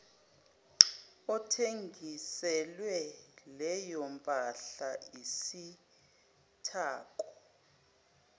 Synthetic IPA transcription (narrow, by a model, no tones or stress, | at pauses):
ɔtʰeŋɡʱisɛlwɛlɛjɔmpʼaɬaisi | tʰaːk̬ʼɔ